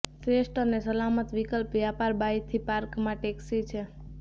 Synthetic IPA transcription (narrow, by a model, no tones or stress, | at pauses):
fɾesʈənesəlamət̪ʋikəlpʋjapaɾbajt̪ʰipaɾkmãʈeksit͡ʃʰe